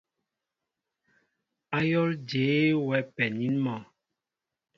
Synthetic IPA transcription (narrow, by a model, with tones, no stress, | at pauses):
a˦jɔ˦ld͡ʒe˨˦wɛ˨˦pɛ˨ni˦nmɔ˨